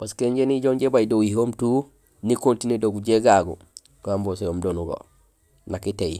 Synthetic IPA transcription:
paskeɲɟeniɟoŋɟebajdoihomtu | nikoltinedoɡuɟeɡaɡṵ | kambosojomdonuɡo̰ | nakitej

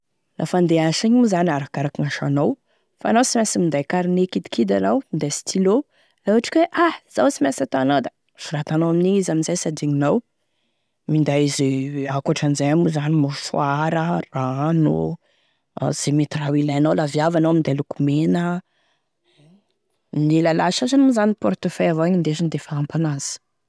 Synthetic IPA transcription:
lʔa̰fand̪eaʃiɲmuzanʲaɾakaɾakiŋaʃanaw | fanawsimʲasimind̪ajkaɾinekid̪i̥kʰid̪anawind̪asi̥t̪ʰilo | lauaʈ͡ʂi̥kweʔahz̥awt͡simasat̪oanawd̪a | fuɾat̪anowaminiizaminzajsad̪iɲinaw | mind̪ajizakuaʈ͡ʂanzaamuzanimufuaɾərano̰ | z̥emit̪rawilanawlavjavanowamind̪alukumenə | nelalaʃazanuzanipɔɾt̪əfɛavaaɲind̪ezind̪efaːmpanaz̥

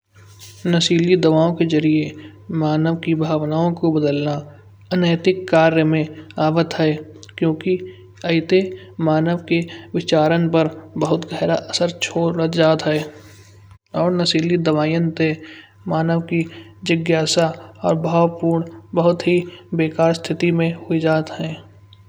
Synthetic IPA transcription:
nəsiːlid̪əʋaːõkezəɾiemaːnəʋkibʱaːʋnaːõkobəd̪əlna | ənəːt̪ɪkːaːɾjəmẽaːʋət̪ɦɛkjõːki | ɐɪt̪emaːnəʋkeʋɪt͡ʃaːɾənpəɾbəɦʊt̪ɡʱəːɾaʔəsəɾt͡ʃʰoːɾəd͡ʒaːt̪ɦɛː | ɔːɾnəsiːlid̪əʋaːjənt̪e | maːnəʋki | d͡ʒəɡjaːsaɔːɾbʱaːʋpuːɾɳbəɦʊt̪ɦibeːkaːɾst̪ʰɪt̪imẽhoid͡ʒaːt̪ɦɛː

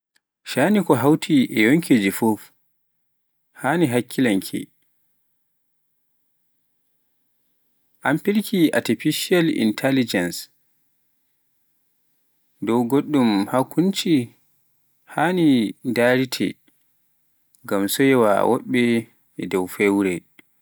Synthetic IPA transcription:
ʃanikɔɦawtʰiʔɛjoŋkʰed͡ʒifɔf | haniɦakʰːilaŋkʰɛ̰ | ʔampiɾkʰiʔa̰tifiʃialḭntʰɛlid͡ʒɛns | dɔwɡoɗːumhakːunt͡ʃi | hanidaɾitʰɛ̰ | ɡamsɔjɛwa̰wɔ̰ɓːɛ | ɛdɔwfɛwɾɛ

